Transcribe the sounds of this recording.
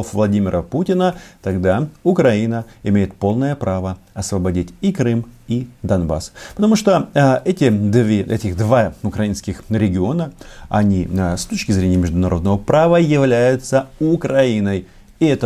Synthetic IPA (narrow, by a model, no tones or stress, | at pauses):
ofvlˠɐdʲimʲɪɾʔəputʲɪnət̪ɐɡd̪aʊkɾɐinəɪmʲejɪt̪̚po̞lˠnəjəpɾavəɐsvəbɐdʲitʲikɾɨmid̪ɐnba̰spət̪ɐmuʂt̪oɛtʲɪd̪vʲʔɛ̰tʲɪɣd̪vaʊkɾɐinskʲɪxɾʲɪɡʲɪo̞nəɐ̰nʲist̪o̞t͡ɕkʲɪzɾʲenʲɪjəmʲɪʐd̪ʊnɐɾʔo̞d̪nəvəpɾavəjɪvlʲæjʊt̪səʊkɾɐinəj | ɪɛt̪ə